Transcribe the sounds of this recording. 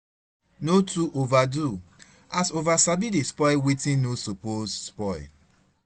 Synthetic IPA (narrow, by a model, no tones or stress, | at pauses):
notuʔovadu | asovasabidespɔɪwetĩnnosopozspɔɪ